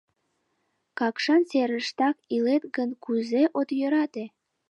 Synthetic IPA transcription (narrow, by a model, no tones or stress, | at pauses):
kɑkʃɑnseɾəʃt̪ɑkilet̪ɡənkuzeʔot̪jøɾɑt̪e